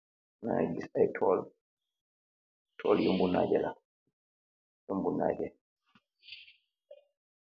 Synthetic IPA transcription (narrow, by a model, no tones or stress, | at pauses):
nad͡ʒisajtʰɔl | tʰɔljɔmbuna̰d͡ʒɛla | jumbuna̰d͡ʒɛ